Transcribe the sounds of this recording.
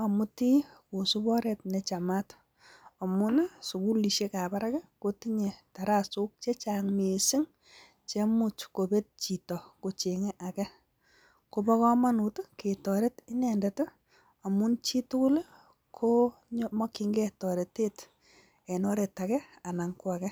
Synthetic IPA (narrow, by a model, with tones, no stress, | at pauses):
ɔ˨mu˦ti˦ko˨su˦bɔ˦ɾe˨t̚ne˨t͡ʃa˨mat | ɔ˨mʊ˦nsu˨ku˦li˨ʃe˦ka˨ba˦ɾakɛ˦ko˦ti˦ɲe˨ta˨ɾa˦su˦k̚t͡ʃe˦t͡ʃa˨ŋme˨sɪ˦ŋ | t͡ʃe˦mu˦t͡ʃko˨be˦t̚t͡ʃi˨tɔ˨ko˨t͡ʃeŋe˦ʔa˨kɛ˦ | ko˧bɔ˦kɔ˦ma˦nu˨tke˨tɔ˨ɾe˦tɪ˦nɛ˨ndɛ˨t | ɔ˨mʊ˦nt͡ʃi˦tʊ˦kʊ˦l | kʰo˦ | ɲmɔ˦kɪ˨ŋɡe˦tɔ˨ɾe˨te˦t | e˨nɔ˦ɾe˨ta˨kɛ˦a˨na˨ŋkwa˨kɛ˦